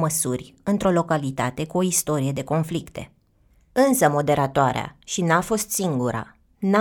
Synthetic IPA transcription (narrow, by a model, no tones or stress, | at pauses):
məsurʲɨnt̪ɾo̞lo̞kalit̪at̪e̞kuo̞ist̪o̞ɾije̞d̪e̞ko̞nflikt̪e̞̰ | ɨnsəmo̞d̪e̞ɾat̪oaɾea̰ʃinafo̞st̪siŋɡuɾa̰ | na